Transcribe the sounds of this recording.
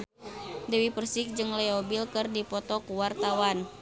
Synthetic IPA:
dəwipərsɪk̚d͡ʒɨŋlɛɔbilkɨrdipɔt̪ɔkuwart̪awan

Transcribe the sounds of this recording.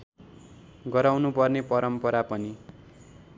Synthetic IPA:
ɡʌɾawnupʌrnepʌɾʌmpʌɾapʌni

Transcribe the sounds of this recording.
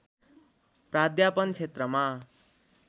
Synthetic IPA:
prad̪japʌnt͡sʰet̪rʌma

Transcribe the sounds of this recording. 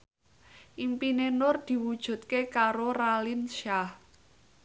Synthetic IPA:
ʔimpinenʊrd̪̥i̤wud̥ʒ̥ṳt̪̚kekaɾoralinʃah

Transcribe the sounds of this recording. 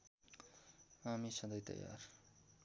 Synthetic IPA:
amisʌd̪ʌjt̪ʌ̰ja̰r

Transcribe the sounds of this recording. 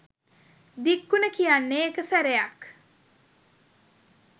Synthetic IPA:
d̪ikːunəkijanːeːkəsæɾejɐk

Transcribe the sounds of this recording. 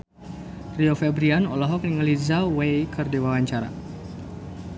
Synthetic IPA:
riɔfɛbɾianɔ̰lɔɦɔk̚niŋəlizawejkʰərdiwawaɲt͡ʃaɾa̰

